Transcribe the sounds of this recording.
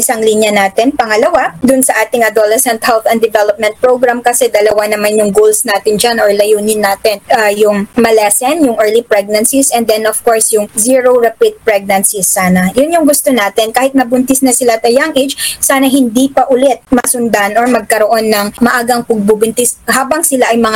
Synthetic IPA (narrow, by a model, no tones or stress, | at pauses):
ʔɪsɐŋlinjɐnaːt̪ɛnpɐŋɐlɐwad̪ʊnsɐʔaːt̪ɪŋɐd̪olɛsɛnt̪hɛlθɛnd̪ɪvɛlop̚mɛ̃nt̪̚pɹowɡɹamkɐsɛd̪ɐlɐwanɐmanjʊŋɡolsnaːt̪ɪnd͡ʒanʔoɹlɐjuːnɪnːaːt̪ɪnʔajʊŋmɐlɛsɛnjʊŋʔɛːɹlipɹɛɡ̚nɐnsisɛ̃nd̪ɛnʔɔfkoɹsjʊŋziɹoɹɐpit̪̚pɹɛɡ̚nɐnsisːaːnɐjʊnjʊŋɡʊst̪onaːt̪ɛnkaːhɪt̪̚nɐbʊnt̪ɪsnɐsɪlat̪ɐjaŋʔed͡ʒsaːnɐɦɪnd̪iːpɐʔʊlɛt̪̚mɐsʊnd̪anʔoɹmɐɡ̚kɐɾoʔo̞nːɐŋmɐʔaːɡɐŋpɐɡ̚bubʊnt̪ɪshaːbɐŋsɪlaʔɐjmɐŋa